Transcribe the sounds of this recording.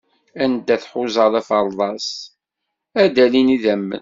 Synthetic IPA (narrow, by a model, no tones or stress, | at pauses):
ænd̪ːæθħʊzˤɑðˤæfəɾˤðˤɑs | æd̪æliniðæmːə̰n